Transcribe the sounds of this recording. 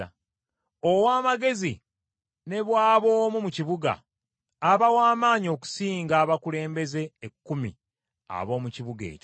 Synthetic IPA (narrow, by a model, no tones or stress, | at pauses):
owaːmaɡe̞zi | ne̞βwaːβo̞ːmumuciβuɡa̰ː | βawaːmaːɲio̞ːku̥siːŋɡaːβakule̞ːmbe̞ze̞ːkːumḭ | a̰βo̞ːmuciβuɡe̞̰ːco